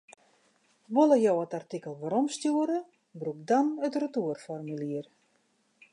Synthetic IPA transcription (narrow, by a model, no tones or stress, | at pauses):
ʋoləjowətartikəlˠʋaɾɔmstjuəɾə | brukdanətrətuərfɔrmiliər